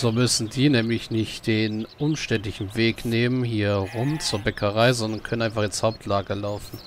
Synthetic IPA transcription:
z̥oːmʏsn̩diːnɛːmlɪçnɪçtd̥eːnʔʊmʃtɛntlɪçn̩veːkneːmənhiːɐʁʊmt͡suːɐbɛkʰəʁaɪzɔndɐnkʰœnənaɪnfaalshaʊp̚tʰlaːɡəlaʊfn̩

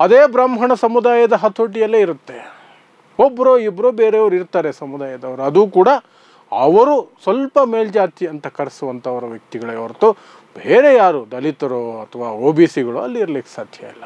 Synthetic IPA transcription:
ɐd̪eːbɾaːmɦɐɳɐsɐmud̪aːjɐd̪ɐɦɐt̪ʰːoːʈijɐlːeiɾut̪ːe̞ | obːɐɾoːibɾoːbeːɾeɐʋɐɾuiɾt̪aːɾesɐmud̪aːjɐd̪ɐʋɐɾuɐd̪uːkuːɽɐ | ɐʋɐɾusʋɐlpɐmeːld͡ʒaːt̪iɐnt̪ɐkɐɾɐsuʋɐnt̪ʰɐɐʋɐɾɐʋjɐk̚t̪iɡɐɭeʋɐɾt̪ːu | beːɾejaːɾud̪ɐlit̪ɐɾoːɐt̪ʰɐʋaːoːbiːsiɡɐɭuɐ̰lːiːɾɐliːke̥saːd̪ʱjɐ̰ilːɐ

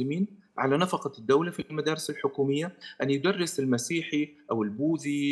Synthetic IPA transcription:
lɪmiːn | ʕalanɑfɑqɑd̪ːawlafimad̪ɑːɾɪsalħʊkuːmɪjːaʔanjɪd̪ɑrˤːɪsɪlmasiːħiʔawɪlbuːði

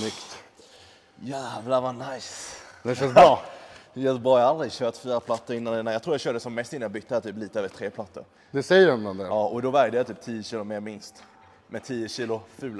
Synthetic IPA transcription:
nʏkt̪ | jævlavɑnajsd̪ɛʃœsɾɔːjœːt̪əbɑːajaald̪ɾɪɡɕøːt̪fiːɾapʰlat̪ːəɾɪnːanɛnːajɑkt̪ʰuːɾjɑɕœːɖəəsɔmːɛst̪ɪnːanjabʏt̪ːæːɾt̪ʰyːp̬liːt̪aøːvət̪ʰɾeːpʰlat̪ːə̰ɾ | d̪ɛsɛjːəɾɛnand̪ɛɑːɔd̪ɔvæɾjd̪əjat̪ʰyːp̚t̪ʰiːjəɕiːlʊmeːɾmɪnst̪ | mɛt̪ʰiːəɕiːlʊfʉ̟ːl

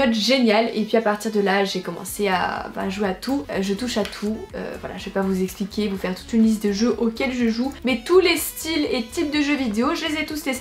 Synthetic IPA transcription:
ɔt̪ʒenjalḛpɥiapaʁt̪iʁd̪əlaʒekɔmɑ̰̃sea̰ba̰a̰ʒweat̪ʰuʒət̪uʃat̪ʰuø̰vwa̰la̰ʒəvepavuzɛksplikʲevufɛʁt̪u̥t̪ynlis̬t̪̚d̪əʒøʔokʲɛlʒəʒumɛt̪ulest̪ilet̪ip̚d̪əʒøvid̪eoʒəlezɛt̪usle

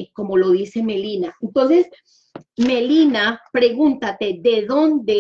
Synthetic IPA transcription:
ko̞mo̞lo̞ðise̞me̞linaent̪o̞nse̞s | me̞linapɾe̞ɣunt̪at̪e̞ðe̞ðo̞nd̪e

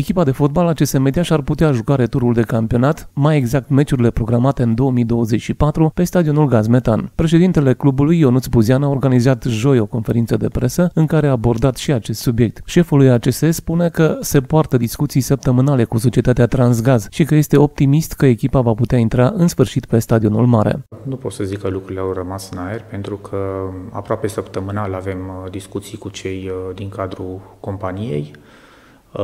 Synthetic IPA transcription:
ekʲipad̪e̞fo̞t̪̚balat͡ʃe̞seme̞d̪ijaʃarput̪eaʒukaɾe̞t̪uɾuld̪e̞kampio̞nat̪maje̞ɡzak̚t̪me̞t͡ʃuɾile̞pɾo̞ɡɾamat̪e̞ɨnd̪o̞əmijd̪o̞wəze̞t͡ʃʲʃipat̪ɾupe̞st̪ad̪io̞nulɡazme̞t̪a̰npɾe̞ʃ̬e̞d̪int̪e̞le̞klubulujo̞nut̪sbuzianaorɡanizat̪ʒo̞jo̞ko̞nfe̞ɾint̪səd̪e̞pɾʔe̞səɨŋkaɾe̞aːbo̞rd̪at̪ʃiat͡ʃe̞st̪subje̞k̚t̪ʃe̞fulujat͡ʃe̞se̞spune̞kəse̞poart̪əd̪iskut̪sijsəp̚t̪əmɨnale̞kuso̞t͡ʃiet̪at̪eat̪ɾans̬ɡazʃikəje̞st̪e̞o̞p̚t̪imist̪kəe̞kʲipavaput̪eaint̪ɾaʔɨnsfɨrʃit̪pe̞st̪ad̪io̞nulmaɾḛnupo̞t̪səzikːəlukɾuileawrəmasɨnajerʲpe̞nt̪ɾukʰəa̰pɾoape̞səpt̪əmɨnalave̞md̪iskut̪sijkut͡ʃe̞jd̪iŋkad̪ɾuko̞mpanije̞̰j

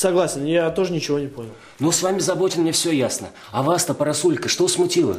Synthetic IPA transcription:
sɐɡlˠasʲɪnjat̪o̞ʐənʲɪt͡ɕɪvo̞nʲɪpo̞nʲɪlˠ | nosvamʲɪzɐbo̞tʲɪnmnʲefsʲojasnə̰ | ɐvast̪əpəɾɐsulʲkəʂt̪osmʊtʲilˠə̰

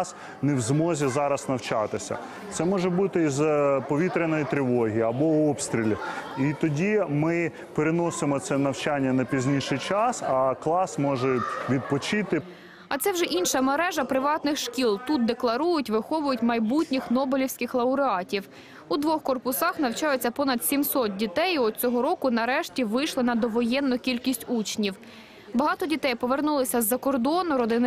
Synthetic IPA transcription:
s | newzmɔzʲizɑɾɐsnɐwt͡ʃɑt̪ɪsʲɐ̰ | t̪sɛmɔʒɛbut̪ɪizpɔʋʲit̪ɾʲenɔjit̪ɾʲɪʋɔɦʲijiɐbɔɔpst̪ɾʲilʲiit̪ɔdʲimɪ | peɾenɔsɪmɔt̪sɛnɐwt͡ʃanʲːɐnɐpʲizʲnʲiʃɪjt͡ʃɑsɐklˠɑsmɔʒɛʋʲid̪̚pɔt͡ʃɪt̪ɪ | ɐt̪sɛwʒɛʔinʃɐmeɾɛʒɐpɾɪʋɑt̪nɪxʃkʲilˠt̪ut̪̚d̪eklˠɐɾujʊtʲʋɪxɔʋʊjʊtʲmɐjbutʲnʲixnɔbelʲiwsʲkɪxlˠɐʊɾɪɑtʲiw | ud̪ʋɔxkɔrpʊsɑxnɐwt͡ʃɑjet͡sʲːɐpɔnɐd̪sʲimsɔt̪̚dʲit̪ɛjɔt͡sʲɔɦɔɾɔkʊnɐɾɛʃtʲiʋɪjʃlˠɪnɐd̪ɔʋɔjɛnːʊkʲilʲkʲisʲtʲut͡ʃnʲiw | bɐɦɑt̪ɔdʲit̪ɛjpɔʋernulˠɪsʲɐzːɐkɔrd̪ɔnʊɾɔd̪ɪn

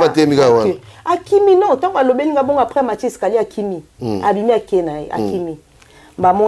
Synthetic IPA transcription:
atemikawaakiminɔ̃tãalobeliɡaboŋɡapʁɛmat͡ʃiskaliakʰimiabimiakenajḛʔa̰kimi | mbamɔ

